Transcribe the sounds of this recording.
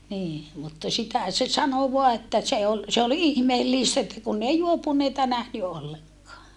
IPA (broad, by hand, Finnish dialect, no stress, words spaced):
niː mutːɑ sitæ se sɑno ʋoɑ etːæ se ol se ol ihmeːlːiˑstæ etːæ kunː ei juopuneitɑ næhny olːeŋkˑɑː